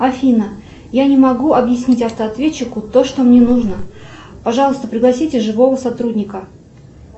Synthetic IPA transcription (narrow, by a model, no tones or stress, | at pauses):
ɐfʲinə | janʲɪmɐɡuɐbjɪsʲnʲitʲɐft̪əɐt̪vʲet͡ɕːɪkʊt̪o̞ʂt̪o̞mnʲenuʐnəpɐʐɑlˠəst̪əpɾʲɪɡlˠɐsʲitʲɪʐɨvo̞vəsɐt̪ɾudʲnʲɪkə